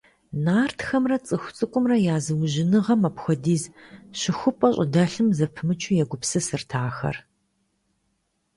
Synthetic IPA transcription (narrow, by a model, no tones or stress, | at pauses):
naːrtʰxɐmrɐt͡sʼɨxʷt͡sʼɨkʷʼʊmrɐjaːzɨwʑɪnɨʁɐmɐpxʷɔdiːzɕɪxʷʊpʼɐɕʼɪdɐɬɨmzɐpʰɨmɨt͡ʃʼʰujɛɡʷʊpsɨsɨrtʰaːxɐ̰r